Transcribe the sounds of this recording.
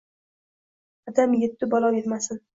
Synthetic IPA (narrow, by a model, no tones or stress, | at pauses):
ɒd̪amjet̪ʰːɪbɒlˠɒwjet̪masɪn